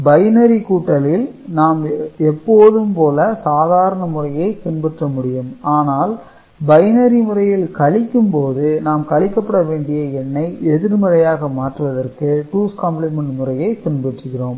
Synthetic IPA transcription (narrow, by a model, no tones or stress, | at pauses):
bɐɪnɐɾikuːʈːɐlɪlnaːmɛpːoːðɯmpoːlɐsaːðaːɾɐɳɐmʊrɐjɐɪp̪ɪnbɛʈrɐmʊɽɪjɯmaːnaːl | bɐɪnɐɾimʊrɐjɪlkɐɭɪkːɯmpoːðɯnaːmkɐɭɪkːɐpːɐɽɐʋeːɳɖɪjɐɛɳːɐɪɛðɪɾmɐɾɐjaːɣɐmaːʈrɯʋɐðɐrkɯʈuːskɐːmplɪmɐɳɖmʊrɐjɐɪp̪ɪnbɛʈrɯɣɪroːm